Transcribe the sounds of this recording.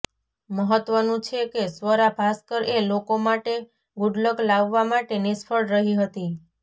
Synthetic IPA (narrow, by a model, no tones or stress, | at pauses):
məɦət̪ʋənũt͡ʃʰekesʋəɾapʰaskəɾelokomaʈe | ɡʊɖləklaʋːamaʈenispʰəɭɾəɦiɦət̪i